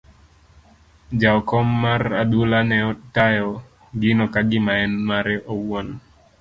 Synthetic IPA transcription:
d͡ʒaɔkɔmːaradulanɛɔtajɔ | ɡɪnɔkaɡɪmaɛnmaɾɛʔowɔn

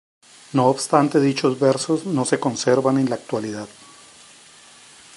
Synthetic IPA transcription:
no̞ːbst̪ant̪e̞ðit͡ʃo̞zbe̞ɾso̞zno̞se̞ko̞nseɾβane̞nlaːk̚t̪waliðað

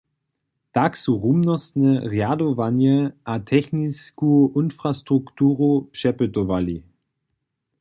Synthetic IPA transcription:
d̥aksuʁumnɔsnəʁeadovanjəʔatʰɛçniskuʔɪnfʁ̥astʁ̥uktʰuːʁopʃɛpətovali

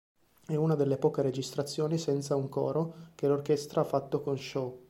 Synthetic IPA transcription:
ɛunad̪elːepɔːkeɾed͡ʒist̪ɾat̪sːjoːnisɛnt̪sauŋkɔ̰ːɾokelorkɛst̪ɾaafːat̪ːokonʃɔ

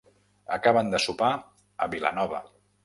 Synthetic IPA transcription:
əkaβənd̪əsupa | ə̰βila̰nɔβə̰

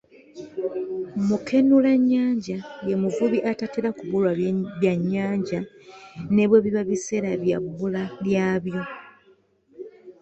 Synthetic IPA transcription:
mukʰe̞nulaɲːaːɲɟajemuvuβiʔatateɾakuβulwaβjaɲːaːɲɟa | ne̞βweβiβaβise̞ɾaβjabulaljaːβjo̞

